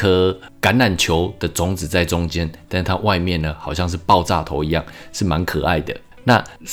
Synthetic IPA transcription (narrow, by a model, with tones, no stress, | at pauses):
ɤ˧˦ka˧˥na˨˩nt͡ɕʰjo˧˦ʊd̪̥ə˨t͡sʊ˧˥ŋt͡sɹ̩˨˩t͡sa˥˩ɪt͡sʊ˥˦ŋt͡ɕjɛ˦nt̪a˥nʂ̩˥˧t̪ʰa˦wʔa˥˧ɪmjɛ˥˨nə˩xɑ˨˩ʊɕjɑ˥˧ŋʂ̬ɻ̩˥˩˧pɑ˥˧ʊt͡sa˥˧˩t̪ʰo˧˥ʊi˧˦jɑ˥˩ŋʂɻ̩˥˩ma˧˦nkʰɤ˨˩a˥˩ɪd̪ə̰˩ | na˥˧